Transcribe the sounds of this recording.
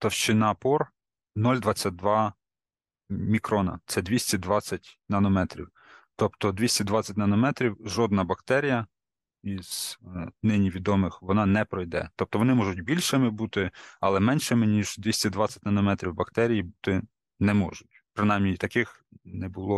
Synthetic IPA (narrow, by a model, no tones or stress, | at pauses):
t̪ɔwʃt͡ʃɪnɑpɔr | nɔlʲd̪ʋɑt͡sʲːɐt̚ʲd̪ʋɑ | mʲikɾɔnɐ̰t̪sɛd̪ʋʲisʲtʲid̪ʋɑt͡sʲːɐtʲnɐnɔmɛt̪ɾʲḭw | t̪ɔpt̪ɔd̪ʋʲisʲtʲid̪ʋɑt͡sʲːɐtʲnɐnɔmɛt̪ɾʲiwʒɔd̪nɐbɐkt̪ɛɾʲijɐ | iz̥nɪnʲiʋʲid̪ɔmɪxʋɔnɑnɛpɾɔjd̪ɛ̰t̪ɔp̚t̪ɔʋɔnɪmɔʒʊtʲbʲilʲʃɪmɪbut̪ɪɐlˠɛmɛnʃɪmɪnʲiʒd̪ʲʋʲisʲtʲid̪ʋɑt͡sʲːɐ̥tʲnɐnɔmɛt̪ɾʲiwbɐkt̪ɛɾʲijibut̪ɪ | nɛmɔ̰ʒʊtʲpɾɪnɑjmnʲijt̪ɐkɪx | nɛbʊlˠɔ